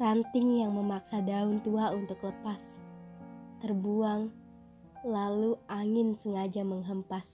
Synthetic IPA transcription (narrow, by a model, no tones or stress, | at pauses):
rant̪ɪŋjaŋməmaksadaʊnt̪uaunt̪ʊkləpas | t̪ərbuaŋ | laluʔaŋɪnsəŋad͡ʒaməŋɦəmpas